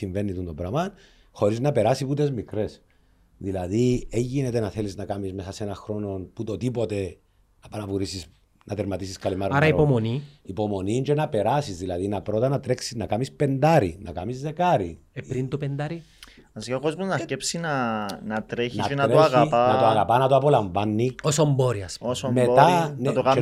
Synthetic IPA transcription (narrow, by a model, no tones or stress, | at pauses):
iɱve̞nːit̪und̪obɾɐmɐn | xo̞ɾiznɐpe̞ɾasiput̪e̞zmikɾe̞s | ðilɐðieɲʝine̞t̪enɐθe̞liznɐkamizme̞sɐsenɐxɾo̞no̞nput̪ot̪ipo̞t̪e̞ | ɐpɐnɐpuɾisis | nʔɐt̪eɾmɐt̪isiskɐlimɐɾaɾɐipomoniipo̞mo̞nind͡ʒenɐpe̞ɾasizðilɐðinɐpɾot̪ɐnɐt̪ɾe̞ksinɐkamispe̞nd̪aɾḭnɐ̰kamizðe̞kaɾi | eɾint̪opend̪ɐɾi | ɐsikako̞zmunɐscepsinɐnɐt̪ɾeçniɐnɐtɾeoaɣnat̪oaɣapɐnɐt̪oapo̞laɱvanːiosomboɾiɐsosomet̪ant̪oka